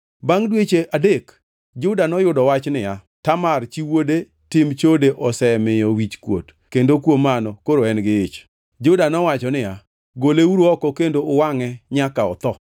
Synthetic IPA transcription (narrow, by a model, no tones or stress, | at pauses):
baŋdwet͡ʃeʔadek | d͡ʒʊdanɔjʊdɔwat͡ʃnɪja | tamart͡ʃiwode | tɪmt͡ʃodeʔɔsɛmɪjɔwit͡ʃkwo̰t | kendokwomanɔkoɾoɛnɡɪɪt͡ʃ | d͡ʒʊdanɔwat͡ʃɔnɪja | ɡoleuɾoɔkɔkendoʊwaŋɛɲakaɔt̪ɔ